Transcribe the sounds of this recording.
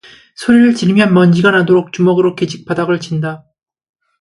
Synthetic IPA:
sʰoɾiɾɯɭt͡ɕiɾmjʌnmʌnd͡ʑiɡanadoɾok̚t͡ɕ͈umʌɡɯɾok͈ed͡ʑik̚p͈adaɡɯɭt͡ɕinda

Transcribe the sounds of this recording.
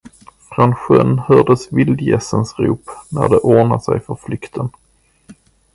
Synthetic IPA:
fɾɔnɧœnhœɖəsvɪld̪jɛ̰sənsɾuːpnæɖ̪ɛʔoːɳasɛjfœɾflʏkt̪ʰən

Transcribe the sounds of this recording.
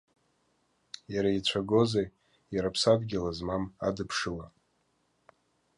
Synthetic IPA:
jaɾait͡ɕʷʰaɡo̞ze | jaɾapʰsadɡʲɪlazmama̰dɨpʰʂɨla

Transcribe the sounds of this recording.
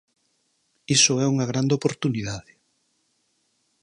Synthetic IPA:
isʊɛuŋɐɣ̞ɾand̪eopoɾt̪uniðaðɪ

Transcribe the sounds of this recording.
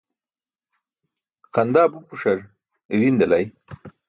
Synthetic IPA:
qand̪aːbupuʂaɾ | ɾind̪ɐlaj

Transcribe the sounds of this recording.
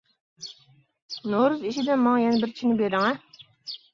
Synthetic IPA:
noɾuziʃid̪ɛnmɑŋjɛnɛbɪɾt͡ʃʰinɪbeɾɪŋɛ

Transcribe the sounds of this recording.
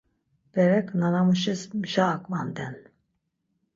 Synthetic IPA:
b̥ɛɾɛkʼnanamuʃismʒaːkʼvand̪ɛn

